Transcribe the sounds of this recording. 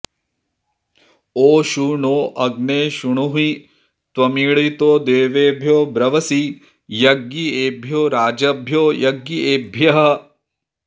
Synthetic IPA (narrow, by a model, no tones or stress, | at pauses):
oːʃuːɳoːʔɐɡneːʃuɳ̃uɦi | t̪ʋɐmiːɭit̪oːd̪eːʋeːbʱjoːbɾɐʋɐsi | jɐɡjieːbʱjoːɾaːd͡ʒɐbʱjoːjɐɡieːbʱjɐɦɐ